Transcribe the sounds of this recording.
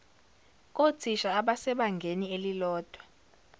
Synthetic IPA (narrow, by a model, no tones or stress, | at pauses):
k̬ʼot͡sʰiʃaːɓasɛɓaŋɡʱenielilɔːd̥ʱwa